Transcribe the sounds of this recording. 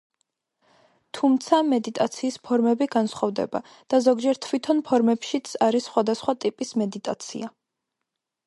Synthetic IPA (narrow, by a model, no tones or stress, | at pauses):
t̪ʰumt̪sʰamɛd̪it̪ʼat̪sʰiːspʰɔɾmɛbiɡansχɔvd̪ɛ̰ba̰ | d̪̥azɔɡd͡ʒɛɾt̪ʰvwit̪ʰɔnpʰɔɾmɛpʃit̪sʰaɾisːχwad̪asχwat̪ʼipʼismɛd̪it̪ʼat̪sʰḭa